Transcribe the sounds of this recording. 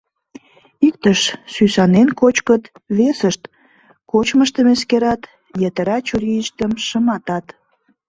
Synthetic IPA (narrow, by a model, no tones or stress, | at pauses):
ik̚t̪əʃsysɑnenkot͡ɕkət̪βesəʃt̪ | kot͡ɕməʃt̪əmeskeɾɑt̪ | jət̪əɾɑt͡ɕuɾiəʃt̪əmʃəmɑt̪ɑt̪